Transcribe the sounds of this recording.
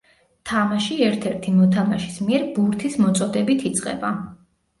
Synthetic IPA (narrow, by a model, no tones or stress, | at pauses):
t̪ʰamaʃiɛɾt̪ʰɛɾt̪ʰimɔt̪ʰamaʃi̥smiɛɾbuɾt̪ʰismɔt̪sʼɔd̪ɛbit̪ʰit̪sʼqʼɛ̰ba